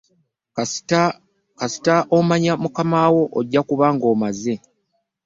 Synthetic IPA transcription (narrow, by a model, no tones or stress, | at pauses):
kasi̥taʔomaɲamukamawo̞ʔːɟːakuβaːŋɡo̞ːmaze̞